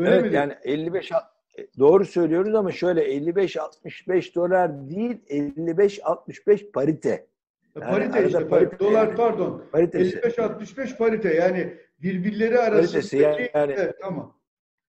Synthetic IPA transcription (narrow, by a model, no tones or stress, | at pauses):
øɛvɛjaːniɛlʲːibɛʃa | d̪o̞ːɾusø̞jlʲijo̞ɾuzamaʃø̞jlʲɛɛlʲːibɛʃalˠt̪̚mɯʃbɛʃd̪o̞lˠaɾd̪ijilʲɛllʲːibɛʃalˠt̪̚mɯʃbɛʃpʰaɾit̪ʰɛ̰ | aaɾit̪ead̪apaɾit̪ʰd̪olˠaɾæɾd̪onpaɾit̪ʰelʲsʲːibɛʃalˠt̪̚mɯʃbɛʃpaɾit̪ɛjaːni | biɾbiɾlʲe̞ɾiaɾaaɾit̪ʰesijaaːniɛt̪ʰːamam